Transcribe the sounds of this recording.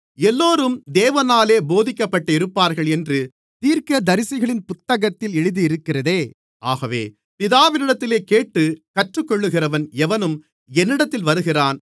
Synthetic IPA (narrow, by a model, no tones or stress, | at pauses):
ɛlːoːɾɯmd̪eːʋɐnaːleːboːðɪkːɐpːɐʈːɐɪɾɯpːaːɾɣɐɭɛndrɯ | t̪iːɾkɐd̪ɐɾɪsɪɣɐɭɪnpʊt̪ːɐɣɐt̪ːɪlɛɻɯðiɪɾɯkːɪrɐðeː | ʔaːɣɐʋḛː | pɪðaːʋɪnɪɽɐt̪ːɪleːkeːʈːɯkɐʈrɯkːɔɭːɯɣɪrɐʋɐnɛʋɐnɯm | ɛnːɪɽɐt̪ːɪlʋɐɾɯɣɪraːn